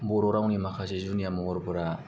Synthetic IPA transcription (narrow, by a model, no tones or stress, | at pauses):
bɔɾɔɾawnimakʰasezunijamɔɔɾbɯɾa